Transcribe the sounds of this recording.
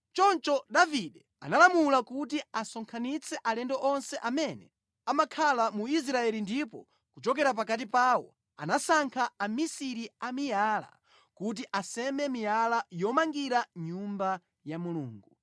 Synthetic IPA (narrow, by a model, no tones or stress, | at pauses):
t͡ʃɔnt͡ʃɔdaviɗɛ | analamulakutiasɔŋkʰanit͡sʰɛʔalɛndɔʔɔnsɛʔamɛnɛ | amakʰalamuis̬ɾaɛlindipɔ | kut͡ʃɔk̬ɛɾap̬akat̬ipaːwɔ̰ | a̰nasaŋkʰaːmisiɾiamijaːla̰ | kut̬iʔasɛmɛmijalajɔmaŋɡiɾaɲumba | jamuluːŋɡu